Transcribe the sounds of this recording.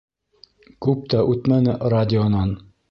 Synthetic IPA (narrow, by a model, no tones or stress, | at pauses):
kʉp̚t̪æʔʉt̪mænɘradʲɪonɑn